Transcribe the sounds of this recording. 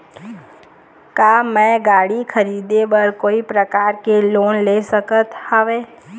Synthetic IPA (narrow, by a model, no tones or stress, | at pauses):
kaːmɛ̃ɡaːɽikʰəɾiːd̪ebəɾkoːipɾəkaːɾkeloːnleːsəkət̪həʋeː